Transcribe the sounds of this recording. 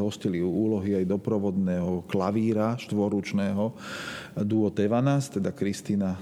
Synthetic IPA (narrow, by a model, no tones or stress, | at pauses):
ɦɔsciliuːlɔɦiajd̪ɔpɾɔʋɔd̪nɛːɦɔklaʋiːɾaʃt̪ʋɔɾut͡ʃnɛːɦɔ | d̪uɔt̪ɛʋanast̪ɛd̪akɾist̪iːna